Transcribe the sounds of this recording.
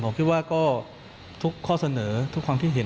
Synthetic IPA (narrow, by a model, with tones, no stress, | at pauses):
pʰo˩˦mkʰi˦˥t̪̚waː˥˩kɔː˥˩ | t̪ʰu˦˥kʰːɔː˥˩sa˧nɤː˩˦t̪ʰu˦˥kʰːaː˧mt̪ʰiː˥˩ɦe˨˩˦